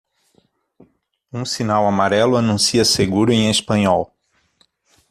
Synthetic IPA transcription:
ũsinawamaɾɛlʊanũsiɐseɡuɾʊẽj̃espɐ̃ɲɔw

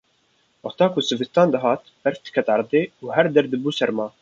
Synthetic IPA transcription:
wɑt̪ɑːkʰʊsɨvɨst̪ɑːnd̪ɨɦɑːt̪bɛɾfd̪̥ɨ̥kʰɛt̪ɑɾd̪eːuːɦɛɾd̪ɛɾd̪ɨbuːsɛɾmɑː

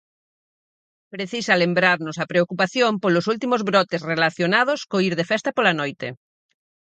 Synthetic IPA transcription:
pɾeθisalembɾaɾnosɐpɾeokupaθjompolosult̪imozβɾɔt̪esrelaθjonað̞oskoiɾðefɛst̪ɐpolanojt̪ḛ

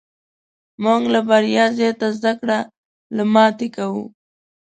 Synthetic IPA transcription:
mʊŋɡlabaɾjɑzet̪azd̪akɽa | lamɑt̪ekawu

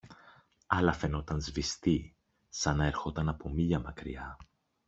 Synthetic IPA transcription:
ɐlɐfe̞no̞t̪ɐnzvist̪i | sɐnɐeɾxo̞t̪ɐnɐpo̞miʎɐmɐkɾḭɐ

